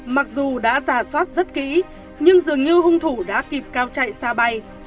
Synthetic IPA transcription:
ma˨˩k̚zu˨˩ɗa̰ː˧˥zaː˧˩swaː˦˥t̚zə˦˥t̚kḭ˧˥ | ɲɨ˧ŋzɨ˨˩əŋɲɨ˧ɦʊ˧ŋ͡mt̪ʰu˧˩ɗa̰ː˧˥ki˨˩p̚kaː˧wt͡ɕa̰˧˨jsaː˧ɓa˧j

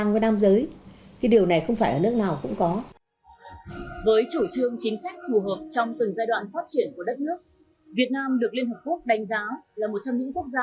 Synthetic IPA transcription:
ŋvəː˨˦naː˧mzəː˨˦jkaː˨˦jɗi˨˩əwna˨˩jxə˧wŋ͡mfaː˧˩jʔəː˧˩nɨ˦˥ək̚naː˨˩wkʊ̰˧˥ŋ͡mkɔ˨˦ | vəː˨˦jt͡ɕo˧˩t͡ɕɨ˧əŋt͡ɕï˨˦ŋ̟sa˦˥k̟̚fu˨˩ɦəː˨˩p̚t͡ɕɔ˧wŋ͡mt̪ɨ˨˩ŋzaː˧jɗwa̰ː˧˨nfaː˦˥t̚t͡ɕi˧˩ənku˧˩əɗə˦˥t̚nɨ˦˥ək̚ | vi˨˩ət̚naː˧mɗɨ˨˩ək̚li˧ənɦəː˨˩p̚ku˦˥ək̚ɗa˨˦jŋ̟zaː˨˦laː˨˩mo˨˩t̚t͡ɕɔ˧ŋ͡mɲɨ̰˧˥ŋku˦˥ək̚zaː˧

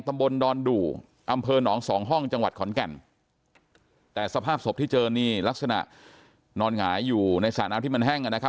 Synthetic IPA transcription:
t̪a˧mbo˧ndɔː˧nduː˨˩ | ʔa˧mpʰɤː˧nɔː˩˦ŋsɔː˩˦ŋɦɔ˥˩ŋt͡ɕa˧ŋwa˨˩t̪̚kʰɔ˩˦nkɛ˨˩n | t̪ɛː˨˩sa˧pʰaː˥˩p̚so˨˩p̚t̪ʰiː˥˩t͡ɕɤː˧niː˥˩la˦˥k̚sa˧na̰˨˩ʔ | nɔː˧nŋaː˩˦jːuː˨˩na˧jsa̰ː˩˦naː˦˥t̪ʰiː˥˩ma˧nɦɛ˥˩ŋʔa˨˩na˦˥kʰa˦˥

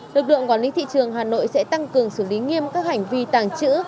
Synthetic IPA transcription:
lɨ˨˩k̚lɨ̰˧˨əŋkwaː˨˦li˨˦t̪ḭ˧˨t͡ɕɨ˨˩əŋɦaː˨˩no̰˧˨jsɛ̰˧˥t̪a˧ŋkɨ˨˩əŋsɨ˧˩li˨˦ŋi˧əmkaː˦˥k̚ha˨˩jŋ̟vi˧t̪aː˧˩ŋt͡ɕɨ̰˧˥

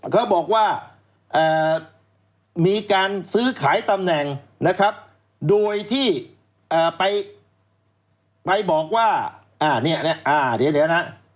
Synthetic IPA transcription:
kʰa˦˥˩wbɔː˨˩k̚waː˥˩ | ʔaː˨˩ | miː˧kaː˧nsɯː˦˥kʰaː˩˦jt̪a˧mnɛ˨˩ŋ | na˦˥kʰɾa˦˥p̚ | doː˧jt̪ʰiː˥˩ | ʔaː˨˩pa˧j | pa˧jbɔː˨˩k̚waː˥˩ | ʔaː˧˩ni˥˩ɐni˦˥˩ɐʔaː˧˩di˨˦d̪i˨˦na˦˥

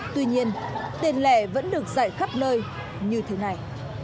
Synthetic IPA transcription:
t̪wi˧ɲi˧ənt̪e˧˩nlɛ˧˩və̰˧˥nɗɨ˨˩ək̚za̰ː˧˨jxa˦˥p̚nəː˧j | ɲɨ˧t̪ʰe˨˦na˨˩j

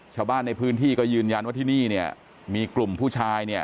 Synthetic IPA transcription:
t͡ɕʰaː˧wbaː˥˩nːa˧jpʰɯː˦˥nt̪ʰiː˥˩kɔː˥˩jɯː˧nja˧nwaː˥˩iː˥˩niː˥˩ni˥˩ɐ | miː˧klu˨˩mpʰuː˥˩t͡ɕʰaː˧jni˥˩ɐ

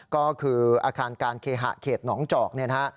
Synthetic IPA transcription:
kɔː˥˩kʰɯː˧ʔaː˧kʰaː˧nkaː˧nkʰeː˧ɦa̰˨˩ʔkʰeː˨˩t̪̚nɔː˩˦ŋt͡ɕɔː˨˩k̚ni˥˩ɐnʰa˦˥ʔ

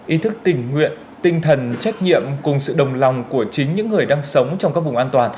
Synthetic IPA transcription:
ʔi˨˦t̪ʰɨ˦˥k̚t̪ï˧˩ŋ̟ŋwḭ˧˨ən | t̪ï˧ŋ̟t̪ʰə˨˩nt͡ɕa˦˥jk̟̚ɲḭ˧˨əmkʊ˨˩ŋ͡msɨ̰˧˨ɗə˨˩wŋ͡mla˨˩wŋ͡mku˧˩ət͡ɕï˨˦ŋ̟ɲɨ̰˧˥ŋːɨ˨˩əjɗaː˧ŋsə˨˦wŋ͡mt͡ɕɔ˧wŋ͡mkaː˦˥k̚vʊ˨˩ŋ͡mʔaː˧nt̪waː˨˩n

